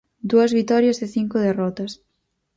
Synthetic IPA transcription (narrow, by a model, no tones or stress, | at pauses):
d̪uɐzβit̪ɔɾjɐzðɪθiŋkʊð̞erɔt̪ɐs